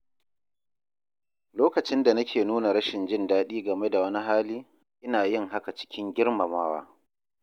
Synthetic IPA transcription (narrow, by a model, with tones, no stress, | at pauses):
loː˦kɐ˨t͡ʃɪ˦nda˨nɐ˦kʲʰeː˨nuː˦na˨ɽɐ˦ʃɪ˨nd͡ʒɪ˦ndaː˦ɗiː˦ɡɐ˨me˦da˨wɐ˦ni˦ɦaː˦liː˦ | ʔɪ˦naː˨jɪ˦ŋɦa˦ka˨t͡ʃɪ̥˦kʲɪ˦ŋɡʲɪ˦ɽma˨maː˦wa̰ː˦